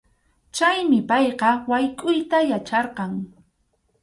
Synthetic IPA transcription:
t͡ʃajmɪpɑjqɑwajkʼʊjt̪ajat͡ʃɑɾqɑŋ

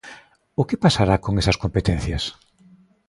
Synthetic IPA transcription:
ʊkepasaɾakoŋesɐskompet̪en̟θjɐs

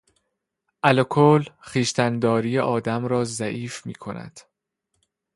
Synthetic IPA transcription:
ʔælokʰolχiːʃt̪ænd̪ɒːɾiːjeʔɒːd̪æmɾɒːzæʔiːfmḭːkʰo̞næ̰d̪̥

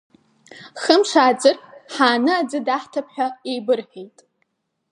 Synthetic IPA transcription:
χəmʂaːd͡zɨrħaːnɨad͡zɨdaħtʰapħʷᶣaejbɨrħejtʼ

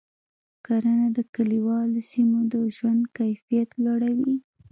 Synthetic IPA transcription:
kaɾanad̪əkaliwɑlosimod̪əʒwand̪kajfijat̪lɑɽawi

